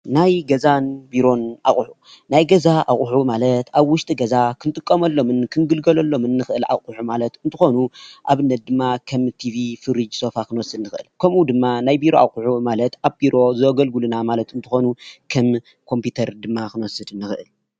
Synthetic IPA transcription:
najɡɐzanbiɾo̞nʔa̰χʼħu | najɡɐzaʔa̰χʼʊħumalɐt̪aβwʊʃt̪ʼiɡɐzakʰɨnt̪ʼɨkʼːɐmɐlːo̞mɨnkʰɨnɡɨlɡɐlɐlːo̞mɨnːɨxɨʔɨla̰χʼuħumalɐt̪ɨnt̪ʰɨxo̞nuʔaβɨnːɐt̪̚d̪ɨmːakʰɐmt̪ʰivifɨɾɨd͡ʒso̞fakʰɨnwɔsɨd̪nɨxʔɨ̰lkʰɐmud̪ɨmːanajbiɾo̞a̰χʼuħumalɐt̪ʔaβbiɾo̞zɨɡɐlɡulunamalɐt̪ɨnt̪ʰɨxo̞nukʰɐm | kʰo̞mpjut̪ʰɐɾd̪ɨmːakʰɨnwɔsɨd̪ɨnːɨxɨʔɨl

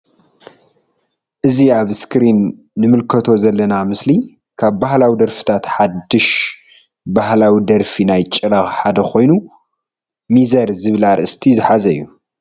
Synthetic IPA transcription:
ʔɨziaβskʰɾinː | ɨmɨlkʰɐt̪ʰo̞zɐlːɐnamɨsli | kʰaβbahlawid̪ɐɾfi̥t̪ʰat̪ħad̪ːɨʃ | bahlawid̪ɐɾfinajt͡ʃʼɨɾaxħad̪ɐkʰo̞jnu | mizɐɾzɨβlaɾʔɨst̪ʰizɨħazɐjːu

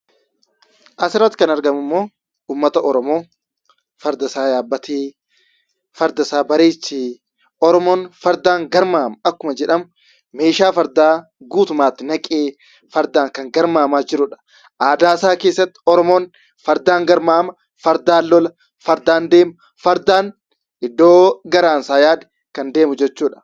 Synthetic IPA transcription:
ʔɐsɪɾɐt̪ɪkɐnɐɾɡɐmʊmːo̞ː | uːmːɐt̪ɐʔɔɾɔmo̞ː | fɐɾd̪ɐsaːjaːbːɐt̪eː | fɐɾd̪ɐsaːbɐɾeːt͡ʃːiː | ʔɔɾɔmoːnfɐɾd̪aːŋɡɐɾmaːmɐɐkːʊmɐd͡ʒɛᶑɐm | me̞ːʃaːfɐɾd̪aː | ɡuːt̪ʊmaːt̪ːɪnɐkʼeː | fɐɾd̪aːŋkɐŋɡɐɾmaːmaːd͡ʒɪɾʊᶑɐ̥ | ʔaːd̪aːsaːke̞ːsːɐt̪ːɪ̥ɔɾɔmoːn | fɐɾd̪aːŋɡɐɾmaːmɐ | fɐɾd̪aːlːɔlɐ | fɐɾd̪aːnd̪e̞ːmɐ | fɐɾd̪aːn | ɪd̪ːoːɡɐɾaːnsaːjaːd̪ɛ̥ | kɐnd̪e̞ːmʊd͡ʒɛt͡ʃːuːᶑɐ̥

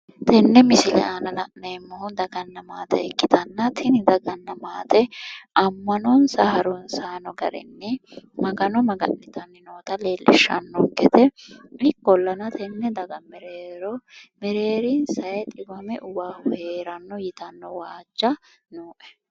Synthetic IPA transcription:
t̪ɛnːɛmɪsɪlɛ̰aːnɐlɐʔneːmːɔhʊd̪ɐɡɐnːɐmaːt̪ɛ̰ɛkːɪt̪ɐnːɐt̪ʰɪnɪd̪ɐɡɐnːɐmaːt̪ɛʔɐmːɐnɔnsɐhɐɾɔnsaːnɔɡɐ̰ɾɛ̰nːɛmɐɡɐnɔmɐɡɐ̰nːɪt̪ɐnːɪnoːt̪ɐle̞ːlʔɪ̰ʃːɐ̰nːɔɡɛt̪ɛɪkːɔlːɐnɐt̪ʰɛnːɛd̪ɐɡɐmɛɾeːɾɔmɛɾeːɾinsɐjɛt̪ʼɪbɐmɛʔʊbaːhʊheːɾɐnːɔjɪt̪ɐnːɔwaːd͡ʒːɐ | nuːʔɛ̥

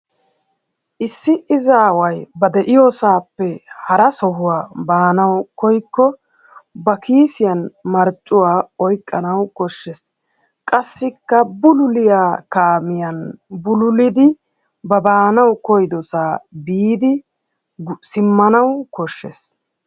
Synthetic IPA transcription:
ʔɪsːɪʔɪzaːwɐjbɐd̪ɛʔɪjoːsaːpːɛhɐɾɐsɔɦʊwaːbaːnɐwkɔjkːɔ | bɐkiːsɪjɐnmɐɾt͡ʃʼːʊwaːɔjkʼːɐnɐwkɔʃːɛs | kʼɐsːɪkːɐbʊlʊlɪjaːkaːmɪjɐnbʊlʊlɪd̪ɪ | bɐbaːnɐwkɔjd̪ɔsaːbiːd̪ɪ | sɪmːɐnɐwkɔʃːɛ̰s

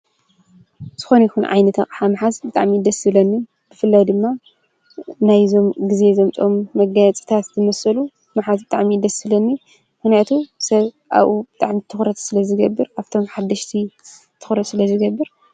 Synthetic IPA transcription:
z̥ɨxo̞nɐjixunʕa̰jnɐt̪ʰɐxʼħamɨħazbɨt̪ʼa̰ʕmid̪ɐsɨlɐnːi | b̥ɨfɨlːajd̪ɨmːa | najzo̞mɡɨze̞zɐmt̪ʼomːɐɡajat͡sʼi̥t̪ʰat̪zɨmɐsɐlu | mɨħazbɨt̪ʼaʕmid̪ɐsɨlɐnːi | mɨxnijat̪ʰusɐβ | ʔa̰βʔubɨt̪ʼaʕmit̪ʰɨxɾɐt̪sɨlɐzɨɡɐbːɨɾaft̪ʰo̞mħad̪ːɐʃt̪ʰi | t̪ʰɨ̥xɾɐt̪sɨlɐzɨɡɐbːɨɾ

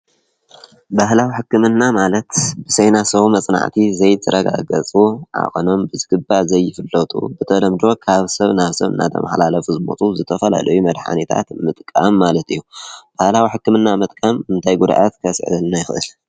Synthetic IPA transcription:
bahlawiħɨkːɨmɨnːamalɐt̪bɨsejnasɐβumɐt͡sʼna̰ʕt̪ʰizɐjt̪ʰɨɾɐɡa̰ɡɐt͡sʼuʕa̰χʼono̞mbɨzɨɡɨbːazɐjːɪfɨlːɐt̪ʼṵbɨt̪ʰɐlɐmd̪ɾo̞kʰaβsɐβnaβsɐ̰βɨ̰nːa̰t̪ʰɐ̰ma̰ħlalɐfuzɨmot͡sʼuzɨt̪ʰɐfɐla̰lɐjumɐd̪ħa̰net̪ʰa̰t̪mɨt̪ʼkʼamːalɐt̪ɨjːub̥ahlawiħɨkːɨmɨnːamɨt̪ʼkʼamɨnt̪ʰajɡud̪aʔat̪kʰɐsʕɨ̰lnajɪxɨʔɨl

